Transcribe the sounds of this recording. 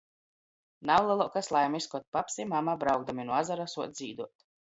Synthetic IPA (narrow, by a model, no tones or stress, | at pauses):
nawlˠɛlˠuɔkaslˠajmiskɔt̪̚papsimamabɾawɡ̚d̪aminuazaɾasuɔt̪zʲiːd̪uɔt̪